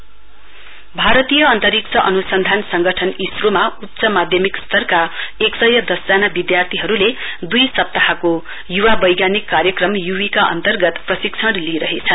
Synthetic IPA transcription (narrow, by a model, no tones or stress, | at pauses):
bʱaɾʌt̪ijʌʌnt̪ʌɾik̚t͡sʰʌʔʌnusʌnd̪ʱansʌŋɡʌʈʰʌnisromautːsʌmad̪ʱjʌmikst̪ʌrkaeksʌjʌd̪ʌsd͡zanabid̪jart̪ʰiɦʌɾule | d̪ujsʌp̚t̪aɦako | juwabʌjɡjanikːarjʌkrʌmjuwikaʔʌ̰nt̪ʌrɡʌt̪prʌsikt͡sʰʌɽliɾʌɦet͡sʰʌ